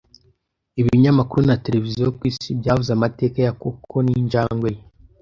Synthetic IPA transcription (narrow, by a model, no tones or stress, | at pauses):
iβiiɲamakuɾunate̞ɾe̞vizijokwiːsibɟaːhuzamate̞ːkajakokʰoninʒaːŋɡweje